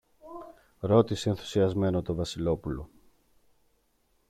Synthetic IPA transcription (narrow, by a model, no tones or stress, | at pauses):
ɾo̞t̪isienθu̥siɐzme̞no̞t̪o̞vɐsilo̞pulo̞̰